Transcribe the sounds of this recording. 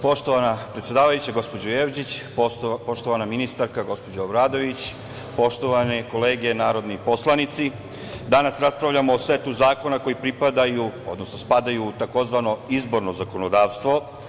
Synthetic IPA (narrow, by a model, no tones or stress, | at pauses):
po̞ʃt̪oʋanapɾet̪sje̞d̪aːʋajut͡ɕaɡo̞spo̞d͡ʑojeʋd͡ʑit͡ɕ | po̞ʃt̪o̞ʋanaminist̪aɾkaɡo̞spo̞d͡ʑaobɾaːd̪o̞ʋit͡ɕ | po̞ʃt̪o̞ʋaneko̞leːɡe̞naːɾo̞d̪nipo̞slˠanit̪si | d̪anasɾaspɾavʎamoːsʋet̪uzaːko̞nako̞jipɾipad̪ajuo̞d̪nosno̞spad̪ajut̪ako̞zʋano̞izbo̞ɾnozako̞nod̪aːʋst̪ʋo̞